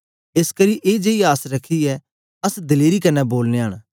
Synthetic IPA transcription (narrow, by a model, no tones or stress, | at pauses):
eːskɐɾiʔeːd͡ʒeijaːsɾɐkʰːiɛ | ɐsd̪ɪleːɾikɐnɛboːlneaːɽ̃